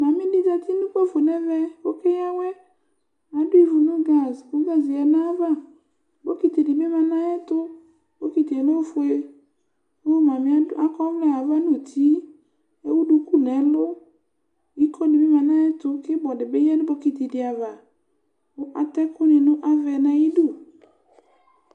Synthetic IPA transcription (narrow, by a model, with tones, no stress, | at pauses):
mã˨mɪ̃˦dɪ˦d͡ʒa˨t̪i˦nʊ̃˦bɔ˦˨fo˨nɛ˦vɛ˦wo˦kɪ˦ja˦wɛ˦ | a˨dʊ˦i˦˨vu˨nũ˦ɡa˨zʊ˦ɡa˦zi˨ɛ˨nã˦va˦ | bɔ˦ki˨t̪i˨dɪ˨be˦ma˨nã˦jɛ˦t̪ʊ˦ | bo˦ki˨t̪i˨e˨no˦fʊ˨e˨˦ | o˦ma˨mɪ˦a˦a˦kɔ˦m˦lɛ˦a˨va˦nʊ˦˨tʰi˨˦ | e˦wu˦du˨ku˦nɛ˨˦lʊ˦ | i˦kʰo˦dɪ˨be˦ma˨nã˦jɛ˦tʊ˦kɪ˦bɔ˨dɪ˨be˦jɛ˦nʊ˦bɔ˨˦ki˨ti˨dɪ˨a˨va˨ | ʊ˦ʔa˨tɛ˦kʊ˦nɪ˨nʊ̃˦ʔa˦vɛ˨nã˨i˦du˦˨